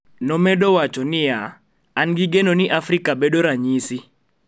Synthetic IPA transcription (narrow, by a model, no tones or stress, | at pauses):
nɔmɛdowat͡ʃɔnɪjaː | nɡiɡenonɪʔafɾɪkabedoɾaɲisi